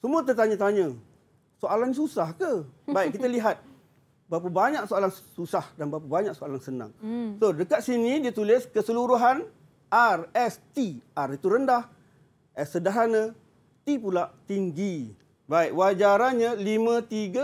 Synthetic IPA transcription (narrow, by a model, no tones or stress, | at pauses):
səmuət̪ərt̪aɲãt̪aɲə̃ | soalanĩsusahkəbaiʔkːit̪aliɦat̪̚ | bap̬əbaɲãk̚soalansusahdanbapəbaɲãʔsoalansənã̰ŋsodəkat̪̚sinĩdiat̪ulɪskəsəluɾuɦan | ʔarɛst̪iʔarit̪uɾəndah | ʔɛsːədaɦanə̃ | t̪ipulaʔt̪iŋɡi | baiʔwad͡ʒaɾanɲalimãt̪iɡa